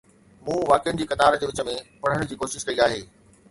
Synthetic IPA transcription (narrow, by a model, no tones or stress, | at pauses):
mũːʋaːkɪjʊnɪ̆d͡ʑiːkɐt̪aːɾd͡ʑeːʋɪt͡ɕəmẽpɐɽ̤əɽ̃d͡ʑiːkoːʃɪʃkɐiaːɦeː